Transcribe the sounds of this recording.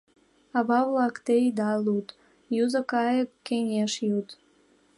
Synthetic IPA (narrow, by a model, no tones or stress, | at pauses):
ɑβɑβlɑkt̪ejd̪ɑlut̪ | juzə̆kɑjəkːenʲeʃjut̪